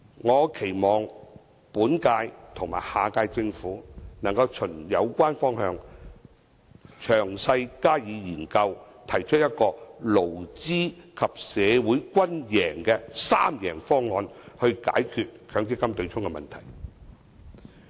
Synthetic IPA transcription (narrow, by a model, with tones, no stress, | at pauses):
ŋɔː˨˧kʰe˨˩jmɔː˨ŋ | puː˨˥nkaː˧jt̪ʰʊ˨˩ŋmaː˨˩jhaː˨kaː˧jt͡sɪ˧ŋfuː˨˥nɐ˨˩ŋkɐ˧wt͡ʃʰɵ˨˩njɐ˨˧wkʷaː˥nfɔː˥ŋhœː˧ŋ | t͡ʃʰœː˨˩ŋsɐ˧jkaː˥jiː˨˧jiː˨˩nkɐ˧wt̪ʰɐ˨˩jt͡ʃʰɵ˥jɐ˥t̚kɔː˧lo˨˩wt͡siː˥kʰɐ˨p̚sɛː˨˧wuː˨˥jkʷɐ˥njɛː˨˩ŋkɛː˧saː˥mjɛː˨˩ŋfɔː˥ŋːɔː˧nhɵ˧ɥka̰ː˨˥jkʰyː˨t̚kʰœː˨˧˥ŋki˥kːɐ˥mt̪ɵ˧ɥt͡sʰʊ˥ŋkɛ˧mɐ̰˨nt̪ʰɐ̰˨˩j